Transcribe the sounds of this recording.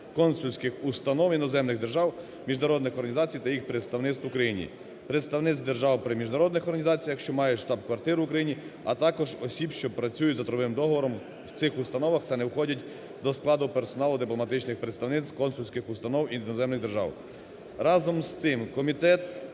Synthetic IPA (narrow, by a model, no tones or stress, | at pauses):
kɔnsʊlʲsʲkɪxust̪ɐnɔwinɔzɛmnɪɣd̪erʒɑw | mʲiʒnɐɾɔd̪nɪxɔɾrɦɐnʲizɑt͡sʲijt̪ɐjixpɾet̪st̪ɐwnɪt̪st̪ʊkɾɐjinʲḭ | pɾet̪st̪ɐwnɪt̪sʲd̪erʒɑwpɾɪmʲiʒnɐɾɔd̪nɪxɔrɦɐnʲizɑt͡sʲijɐkʃt͡ʃɔmɑjɛʃt̪ɑbkʋɐrt̪ɪɾʊʊkɾɐjinʲi | ɐ̰t̪ɑkɔʒɔsʲibʃt͡ʃɔpɾɐt͡sʲujʊzɐt̪ɾɔʋɪmd̪ɔɦɔʋɔɾɔm | wt̪sɪxʊst̪ɐnɔʋɐxt̪ɐnɛwxɔdʲɐtʲ | d̪ɔsklˠɑd̪ʊpeɾsɔnɑlˠʊd̪ɪplˠɔmɐt̪ɪt͡ʃnɪxpɾet̪st̪ɐwnɪt̪st̪kɔnsulʲsʲkɪxʊst̪ɐnɔwinɔzɛmnɪɣd̪erʒɑ̰w | ɾɑzɔmst̪ɪmkɔmʲit̪ɛt̪